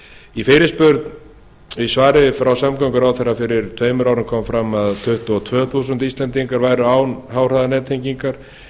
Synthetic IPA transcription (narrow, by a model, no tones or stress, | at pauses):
ifɪːɾɪspʏɾt̪n | vɪsvaːɾɪvɪfɾawsamkawŋkʏɾawθɛrːafɪɾɪɾ̥t̪ʰveːjmʏɾawɾʏmkʰɔmfɾamːaðt̪ʰʏht̪ʏɔt̪ʰvœːθuːsʏnt̪ist̪lɛnt̪iŋkaɾvaːjɾʏaːwnɦaːwr̥aðanɛːt̪ʰejŋciŋkaɾ̥